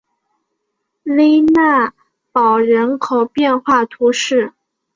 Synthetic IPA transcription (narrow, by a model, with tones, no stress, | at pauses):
le˥ɪna˥˩ | pɑ˨˩ʊɻə˧˥nkʰo˨˩ʊpjɛ˥˧nxwa˥˩t̪ʰu˧˥ʂɻ̩˥˩